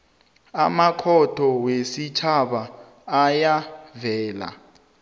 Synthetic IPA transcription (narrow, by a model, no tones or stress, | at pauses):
amakʰɔtʰɔwesit͡ʃʰaɓaː | javɛːla̰